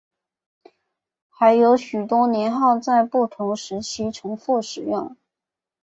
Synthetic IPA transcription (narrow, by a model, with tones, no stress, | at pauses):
xa˧˥ɪjo˧˥ʊɕy˨˩t̪wɔ˥njɛ˧˥nxɑ˥˧ʊt͡sa˥˧ɪpu˥˩t̪ʰʊ˧˥ŋʂɻ̩˧˥t͡ɕʰi˥ʈ͡ʂʰʊ˧˥ŋfu˥˩ʂɻ̩˨˩jʊ˥˩ŋ